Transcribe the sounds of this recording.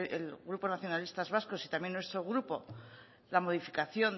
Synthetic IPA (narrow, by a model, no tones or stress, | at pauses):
ḛlɣɾupo̞naθjo̞nalist̪azβasko̞sit̪amje̞nːwe̞st̪ɾo̞ɣɾupo̞ | lamo̞ð̞ifikaθjo̞n